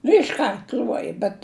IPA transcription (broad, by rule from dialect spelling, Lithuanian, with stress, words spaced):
ɪʃˈkɐrt ˈlʲuɔjɛ bʲɛt